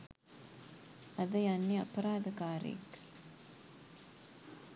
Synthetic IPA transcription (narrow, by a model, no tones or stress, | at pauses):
ɐðɐjɐnːiɐpɐɾaːd̪ɐkaːɾḛːk